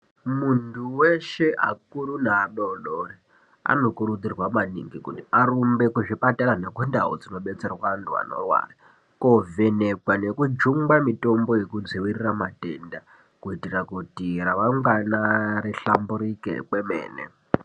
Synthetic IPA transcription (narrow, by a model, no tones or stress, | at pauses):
muntʰuweʃe̞ʔa̰kuɾunaːɗoɗori | a̰no̞kuɾud͡zirwamanḭŋɡikutiaɾumbe̞kuʐipataɾane̞kundaɦo̰d͡zino̞ɓe̞t͡serwaantʰua̰no̞̰rwa̰ːra | kove̞ne̞kwane̞kud͡ʒuŋɡamito̞mbo̞je̞kud͡ziwiriramatenda | kuitirakutiraʋaŋɡwanaɾiɬambuɾikḛkwe̞mḛːnḛ